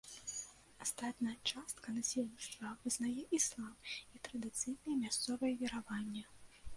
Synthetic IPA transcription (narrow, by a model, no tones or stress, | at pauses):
ast̪at̪nɐjɐt͡ʂast̪kɐnasʲɛlʲnʲist̪vɐvɨznajɛʔislˠamit̪ɾɐd̪ɨt̪sɨjnɐjɛmʲast̪sɔvɐjɛvʲiɾavanʲːɐ